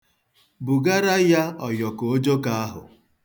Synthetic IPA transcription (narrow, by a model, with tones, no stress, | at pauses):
bu˨ɡa˦ɾa˦ja˦ɔ˨jɔ˨ko˨o˦d͡ʒo˦ka˦a˦ɦʊ̰˨